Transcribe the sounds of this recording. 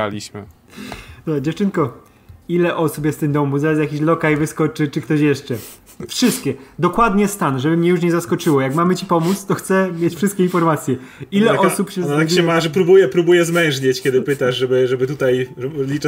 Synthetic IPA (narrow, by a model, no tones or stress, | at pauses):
a̰lʲiɕmɘ̰ | t̪ɔd͡ʑɛft͡ʂɘnkɔ | ilɛʔɔsupjɛst̪t̪ɨmd̪ɔmuzaɾasjakʲiɕlɔkajvɘskɔt͡ʂɘt͡ʂɘkt̪ɔɕjɛʂt͡ʂɛ | fʂɘst̪̚kʲɛd̪ɔkwad̪ɲɛst̪anʐɛbɘmɲɛjuʂ̬ɲɛzaskɔt͡ʂɘwɔjakmamɘt͡ɕipɔmut̪st̪ɔxt̪sɛmʲjet͡ɕfʂɘst̪̚kʲɛinfɔɾmat̪sʲjɛ | ilɛʔɔsupɕɛzt̪akɛmaʐɛpɾubujɛpɾubujɛzmɛ̃w̃ʐɲet͡ɕkʲɛd̪ɘpɘt̪aʐʐɛbɘʐɛbɘt̪ut̪ajɛlʲit͡ʂ